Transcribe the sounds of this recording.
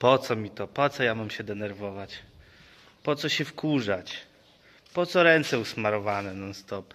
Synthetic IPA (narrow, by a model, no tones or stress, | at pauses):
pɔt̪sɔmʲit̪ɔpɔt̪sɔjamamɕɛd̪ɛnɛɾvɔvat͡ɕ | pɔt̪sɔɕɛfkuʐat͡ɕ | pɔt̪sɔɾɛnt̪sɛusmaɾɔvanɛnanst̪ɔp